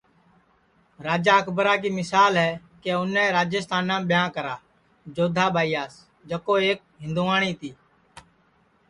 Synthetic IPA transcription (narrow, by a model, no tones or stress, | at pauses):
ɾaːd͡ʒaːəkʰbəɾaːk̬iːmɪsaːlɦɛː | keːʊnɛ̃ːɾaːd͡ʒəst̪aːnãːɓɪjãːkəɾaː | d͡ʒoːd̪ʱaːɓʱaːiːaːs | d͡ʒəkoːeːk̚ | ɦɪ̃nd̪uːaːɳ̃iːt̪iː